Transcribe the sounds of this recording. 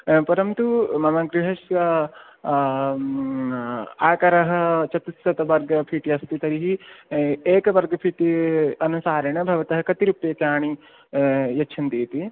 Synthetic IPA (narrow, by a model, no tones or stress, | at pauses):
pɐɾɐmt̪umɐmɐɡɾiɦɐʂjɐ | aːkɐɾɐɦɐ̆t͡ʃɐt̪isɐt̪ɐʋɐɾɡɐpʰiʈiɐst̪it̪ɐɾiɦi | eːkɐʋɐɾɡɐpʰiʈiɐnusaːɾɐɳ̃ɐbʱɐʋɐt̪ɐɦɐkɐt̪iɾupːeːkjaːɳi | jɐtːt͡ʃʰɐnt̪iːt̪i